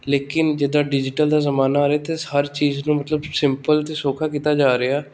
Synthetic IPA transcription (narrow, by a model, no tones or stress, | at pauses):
leːkɪnd͡ʒɪd̪aːɖɪd͡ʒɪʈəld̪aːzəmaːnaaːɾeaːt̪ehəɾt͡ʃiːznũːmət̪ləbsɪmpəlt̪eːsoːkʰaːkiːt̪aːd͡ʒaːɾeaː